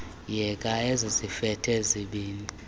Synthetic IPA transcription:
jɛkʼaezizifɛtʰeziɓiːni

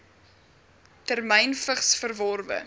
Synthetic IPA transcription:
tærmɛjnfəχsfərvɔrvə̰

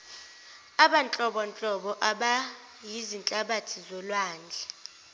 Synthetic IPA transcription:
aɓant͡ɬʼɔɓɔnt͡ɬʼɔɓɔʔaɓa | jizint͡ɬʼaɓatʰizɔlwaːnd͡ɮʱɛ

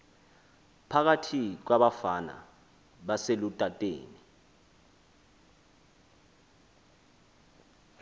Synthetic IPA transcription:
pʰak̬atʰik̬waɓafana̰ | ɓaselutʼatʼḛːni

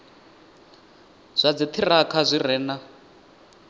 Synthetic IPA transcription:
z̥ʷad͡zit̪ʰirakʰazʷirɛːna

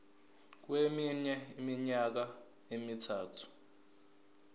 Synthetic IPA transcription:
k̬weminɛimiɲak̬a | emitʰaːtʰu̥

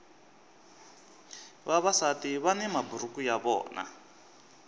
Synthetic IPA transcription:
βaβasatiβanɛmabuɾukujaβɔ̰ːna̰

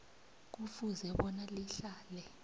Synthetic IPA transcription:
k̬ufuzɛɓɔnaliɬaːlɛ

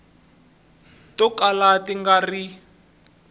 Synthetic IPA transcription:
tɔkalatiŋɡari

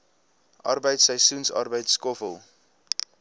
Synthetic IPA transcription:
ʔɐ̰rbəjtsəjsunsɑ̰rbəjtskɔfəlˠ

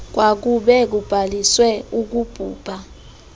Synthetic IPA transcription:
k̬wak̬uɓɛk̬ub̥ʱaliswɛuk̬ub̥ʱuːb̥ʱa

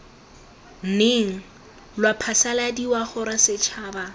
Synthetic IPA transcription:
n̩neŋ̩ | lwapʰasaladiwaχʊɾasɪt͡ʃʰaːba

